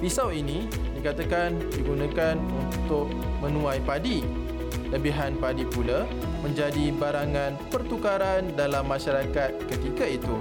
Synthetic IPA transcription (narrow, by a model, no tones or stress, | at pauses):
fisawinĩ | dikat̪akan | diɡunãkanunt̪ʊk̚ | mə̃nũãjpadi | ləbiɦanpadipula | mə̃ɲd͡ʒadibaɾaŋãnpərt̪ukaɾandalamːãʃaɾakat̪̚kət̪ikait̪u